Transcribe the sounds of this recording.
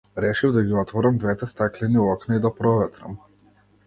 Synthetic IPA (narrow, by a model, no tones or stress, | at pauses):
ɾɛʃivd̪aɡʲiɔt̪vɔɾamd̪vɛt̪ɛst̪aklɛniɔknaid̪apɾɔvɛt̪ɾa̰m